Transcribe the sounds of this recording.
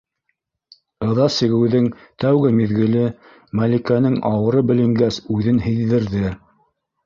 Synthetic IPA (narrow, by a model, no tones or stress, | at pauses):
ɤ̆ðɑsɘ̆ɡɘ̆wðɘŋt̪æwɡɘmiðɡɘ̆lɘ | mælʲikænɘŋɑwɤ̆ɾɤbɘ̆lɘ̆ŋɡæsʉðɘnhɘ̆jðɘ̆ɾðɘ